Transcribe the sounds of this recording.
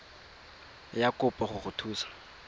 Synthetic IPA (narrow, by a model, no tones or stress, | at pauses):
jakʼʊpʼɔχʊχʊtʰuːsḁ